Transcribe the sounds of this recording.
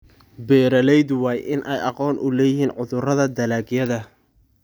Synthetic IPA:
bɛːɾɐlɛjd̪wɑːjʔɪnʔɛjʔɑqɔːnʔʊlɛːjɪɦiːnʕʊðʊrɐðɐd̪ɐlaːɡjɐðɐ

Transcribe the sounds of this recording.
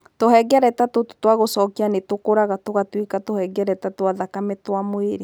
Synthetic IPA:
tohɛɡɛɾɛtatottwaɣosɔːkianetokoɾaɣatoɣatwikatohɛɡɛɾɛtatwaðakamɛtwamoeɾe

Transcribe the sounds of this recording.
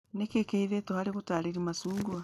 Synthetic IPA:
nekekeiðetohaɾiɣutaːɾiɾimasuːŋɡua

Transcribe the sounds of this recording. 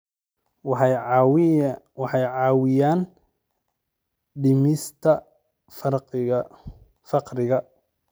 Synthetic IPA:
wɑħɑjʕɑːwɪjaːn | ɖɪmɪst̪ʰɐ | frq | fɑqɾɪɣɐ

